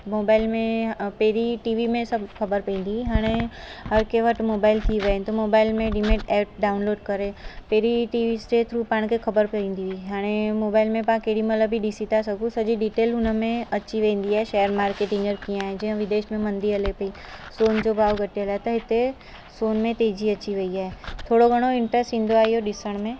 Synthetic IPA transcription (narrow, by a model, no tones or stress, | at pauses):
moːbaːɪlmẽpeːɾiʈiːʋimẽsɐbʱkʰɐbəɾpɐĩːnd̪iɦaːɽ̃eɦɐɾkeʋɐʈmoːbaːɪlt̪ʰiʋɐnt̪ɐmoːbaːɪlmẽɖimẽːʈɛːʈ̚ɖaːʊnloːɖkɐɾepeːɾiʈiːʋisʈeːt̪ʰɾupaːɽ̃kʰekʰɐbəɾpɐĩːn̆d̪iiɦaːɽ̃emoːbaːɪlmẽpãkeːɽimɐt̪ləbʱiɗisit̪asɐɡũsɐd͡ʑiɖiːʈeːlɦʊnəmẽɐːiʋẽĩːn̆d̪iaːɦeʃɛːjəɾmaːɾkeːʈɪ̃ŋɡəɾkij̃aːɦẽd͡ʑɐ̃ɦə̃ʋɪd̪eːʃmẽmɐ̃nd̪iɐlepɐi | soːnd͡ʑobʱaːʋɡʱɐʈiɦəlaːɦet̪ɐɦɪt̪e | soːnmẽt̪eːd͡ʑiɐt͡ɕiʋɐiaːɦet̪ʰoːɽoɡʱɐɽ̃oɪ̃ɳʈɾəsʈɦĩːnd̪oaːɦiɦoɗɪsəɽ̃mẽ